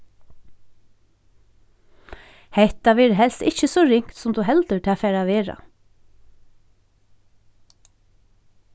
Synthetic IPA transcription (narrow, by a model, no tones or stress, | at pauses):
hɛht̪aʋɛːɾɦɛlst̪ɪçəsɔɹɪŋ̥kt̪sʊmd̪uɦɛlt̪ət̪ʰɪːafɛːɾaʋeːɹa̰